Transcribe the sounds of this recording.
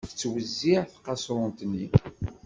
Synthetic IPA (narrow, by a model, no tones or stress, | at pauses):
θt͡sːwəzːiʕθqɑsɾˤʊnt̪nːi